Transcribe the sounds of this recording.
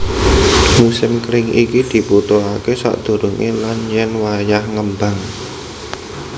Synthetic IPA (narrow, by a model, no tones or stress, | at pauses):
musɪmkɾɪŋikid̪̥i̤put̪oakesa̰ʔd̪̥o̤ɾuŋʔilanjɛnwajahŋəmbaŋ